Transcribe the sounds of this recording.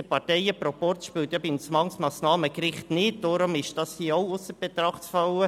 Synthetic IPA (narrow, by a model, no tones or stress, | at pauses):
əpɑɾtɛɪəpɾɔpɔrt͡sʃpylt̪jɑbɪnsmɑŋsmɑːsnɑːməkɾɪχtnɪt̚d̥ɔːɾʊmɪʃd̥ɑshiəɔwʊsəɾb̥et̪ɾɑχtfɑlwə